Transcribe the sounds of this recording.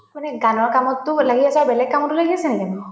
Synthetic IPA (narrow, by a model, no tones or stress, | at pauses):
manɛɡanɔɹkamɔtːʊlaɡiasaɹbɛlɛɡ̚kamɔtʊlaɡiasɛnɛkanɔ